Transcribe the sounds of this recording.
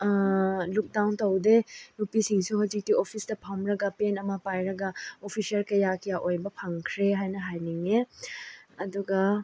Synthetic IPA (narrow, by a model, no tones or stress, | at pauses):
luk̚dawntɐwdenupisiŋsuɦɔzik̚tiopʰisdɐpʰamɾɐɡɐpenɐmɐpajɾɐɡaopʰisijɐlkɐjakʰijaʔojbɐpʰaŋkʰɾeɦajnɐɦajniŋe | ɐduɡɐ